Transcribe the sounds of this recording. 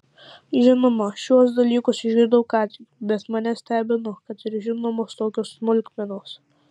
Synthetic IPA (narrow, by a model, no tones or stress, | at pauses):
ʒʲɪnomɐʃʲuɔs̬d̪ɐlʲiːkʊsɪʒʲɡʲɪɾd̪ɐkɑːt̪ʲibʲɛt̪mɐnʲɛsʲt̪ʲæːbʲɪnʊkɐt̪ɪɾʒʲɪnoːmoːst̪oːkʲoːsːmʊlʲkʲmʲɛnoːs